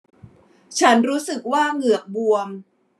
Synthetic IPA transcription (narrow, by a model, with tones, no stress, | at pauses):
t͡ɕʰa˦˥nɾuː˦˥sɯ˨˩k̚waː˥˩ŋɯ˨˩ək̚bu˧əm